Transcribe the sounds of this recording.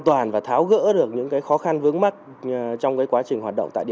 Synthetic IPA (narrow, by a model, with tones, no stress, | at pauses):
t̪waː˨˩nvaː˨˩t̪ʰaː˨˦wɣə̰ː˧˥ɗɨ˨˩ək̚ɲɨ̰˧˥ŋkaː˨˦jxɔ˨˦xa˧nvɨ˨˦əŋma˦˥t̚ | t͡ɕɔ˧wŋ͡mkaː˨˦jkwaː˨˦t͡ɕï˨˩ŋɦaː˨˩ɗ̰ŋ͡mt̪ːɗi˧˨